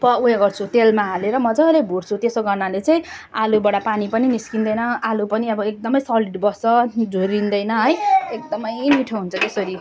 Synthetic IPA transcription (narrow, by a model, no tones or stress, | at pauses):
pʌujeɡʌrt͡sʰut̪elmaɦaleɾʌmʌd͡zʌlejbʱurt͡sʰut̪esoɡʌrnalet͡sʌj̃ | alubʌɽapanipʌniniskind̪ʌjnʌalupʌniʌbʌek̚d̪ʌmʌjsʌliɖbʌsʌd͡zʱoɾind̪ʌjnʌɦʌjek̚d̪ʌmʌjmiʈʰoɦunt͡sʰʌt̪esʌɾi